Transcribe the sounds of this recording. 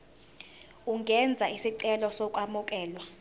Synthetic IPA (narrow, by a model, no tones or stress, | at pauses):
uŋʱɛnd͡zʱaisiǀɛlɔsɔkʼamukʼɛːlwa